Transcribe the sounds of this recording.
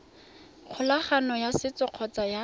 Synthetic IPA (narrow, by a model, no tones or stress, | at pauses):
q͡χʰʊlaχanɔjasɪt͡sɔq͡χʰɔt͡saja